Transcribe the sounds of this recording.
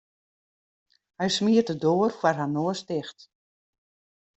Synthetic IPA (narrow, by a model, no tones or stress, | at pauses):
hɛjsmiətədoərfwarɦanoːəstɪxt